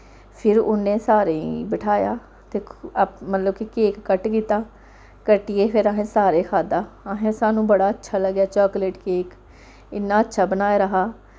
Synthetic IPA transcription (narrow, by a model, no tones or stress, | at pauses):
pʰɪɾʊ̰nːẽːsaːɾeːḭbɪʈʰaːja̰ː | t̪eːmət̪ləbkɪkeːkːəʈkiːt̪aː | kəʈɪeːpʰɪɾəɦẽːsaːɾeːkʰaːd̪aːəɦẽːsaːnũːbəɽaːətːʃʰaːləɡjaːt͡ʃɔːkleːʈkeːk | ɪnːaːətːʃʰaːbənaːeːɾəɦaː